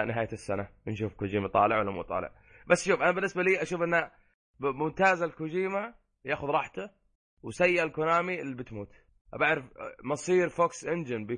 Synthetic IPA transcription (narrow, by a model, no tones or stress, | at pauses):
nɪɦaːjasːananʃuːfkʊd͡ʒiːmat̪ˤɑ̰ːlɪʕwalːamṵːt̪ˤɑ̰ːlɪ̰ʕ | basːʃuːfʔanabɪnːɪsbaliːʔaʃuːfʔɪnːa | mʊmt̪aːzalkʊd͡ʒiːma | jaːxʊðɾˤɑːħt̪a | wsajːaʔalkʊnaːmiɪlːibɪt̪muːt̪ | ʔabaʕɾɪfmɑsˤiːɾfoːksʔɪnd͡ʒɪnbɪ